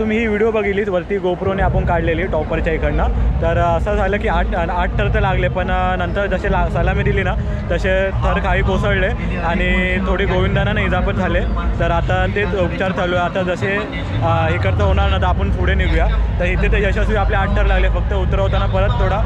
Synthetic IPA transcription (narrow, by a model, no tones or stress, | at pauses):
t̪um̤iːɦːʋiɽijobəɡʱiliːsʋəɾt̪iːɡopɾoneapənkaɽleliːʈɔpəɾt͡ɕaikʰəɽnat̪əɾəsad͡zʱaləkiːaʈaʈ̚ʈʰəɾt̪əlaɡlepəɳnənt̪əɾd͡zəɕelasəlamid̪ilina | t̪əɕet̪ʰəɾkʰaɦiːkosəɽle | aɽ̃it̪ʰoɽiːɡoʋind̪ananaɦiːd͡zapəɳd͡zʱalet̪əɾat̪at̪eupt͡ɕaɾt̪ʰəloat̪ad͡zəɕe | ɦiːkəɾt̪əɦoɳ̃aɾnat̪aapəɳfuɽeniɡʋjat̪əɾɦit̪et̪ed͡ʑəɕasuapljeaʈ̚ʈ̪ʰəɾlaɡlefək̚t̪əut̪ɾəɦot̪anapəɾət̪ʰːoɽa